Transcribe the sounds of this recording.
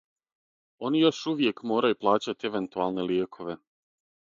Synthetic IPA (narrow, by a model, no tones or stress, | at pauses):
o̞nijo̞ʃuʋje̞kmo̞ːɾajuplˠaːt͡ɕat̪ieʋe̞nt̪ualˠneljeːkʰo̞ʋe̞